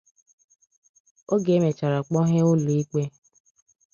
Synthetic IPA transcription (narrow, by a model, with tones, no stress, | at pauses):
o˦ɡe˨˦me˨t͡ʃa˨ɾa˨k͡pɔ˦ɦe˦ʊ˦lu˨i˦k͡pe˦